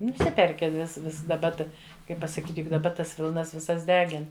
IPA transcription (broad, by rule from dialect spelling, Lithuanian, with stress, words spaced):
nʊˈsʲɪpʲɛrʲkʲɪ ʋʲɪs ˈʋʲɪs dɐˈbɐ ˈtɐ ˈkɐɪp pɐsɐˈkʲiːtʲ jʊk dɐˈbɐ ˈtɐs ˈʋʲɪlˠnɐs ʋʲɪˈsɐs ˈdʲæːɡʲɪn